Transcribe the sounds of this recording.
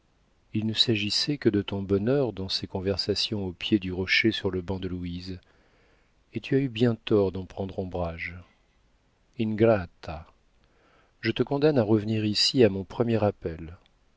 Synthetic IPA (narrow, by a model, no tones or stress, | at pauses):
ilnəsaʒisɛkəd̪ət̪ɔ̃bɔnœʁd̪ɑ̃sekɔ̃vɛʁsasjɔ̃opjed̪yʁɔʃesyʁləbɑ̃d̪əluiz | et̪ʰyaybjɛ̃t̪ɔʁd̪ɑ̃pχɑ̃d̪ʁɔ̃bʁaʒ | inɡʁat̪ʰa | ʒət̪əkɔ̃d̪anaʁəvəniʁisiamɔ̃pχəmjɛʁapɛl